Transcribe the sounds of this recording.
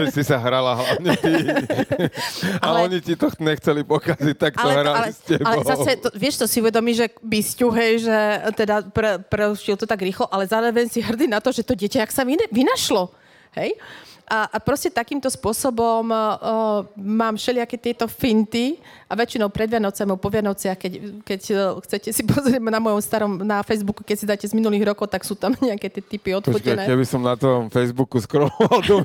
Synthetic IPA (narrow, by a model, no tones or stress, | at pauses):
ʒɛsisaɦɾalaɦlaɲɛ | aɔɲit̪it̪ɔxɲɛxt͡sɛlipɔkazic̚t̪aktaɔɛɦɾalalɛscɛbalɛzasɛt̪ɔʋɪɛʃt̪ɔsiuʋɛd̪ɔmiːʒɛbiscuɦɛjʒɛt̪ɛd̪apɾɛpɾɛuʃcilt̪ɔt̪aɡɾiːxlɔʔalɛzaːɾɔʋɛɲsiɦr̩d̪inat̪ɔʒɛt̪ɔɟɪɛcaaksaʋiʋinaʃlɔ | hɛjʔaʔapɾɔscɛt̪akiːmt̪ɔspʊɔsɔbɔm | maːmfʃɛlɪakɛt̪ɪɛt̪ɔfint̪i | ʔaʋɛt͡ʃinɔʊpɾɛd̪ʋɪanɔʊt͡samipɔʋɪanɔʊt͡sɪaxkɛckɛcxt͡sɛcɛsipɔzɾɪɛmnamɔjɔmst̪aɾɔmnafɛjzbukukɛcsid̪aːcɛzminuliːɣɾɔkɔʊt̪aksuːt̪amɲɛakɛt̪ɪɛt̪ipiɔt̪fɔkɛnɛːkɛbisɔmnat̪ɔmfɛjzbukuskɾɔmɔʋald̪u